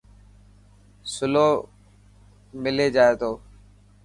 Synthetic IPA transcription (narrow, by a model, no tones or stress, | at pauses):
sʊloː | mɪleːd͡ʒaːeːt̪ʰoː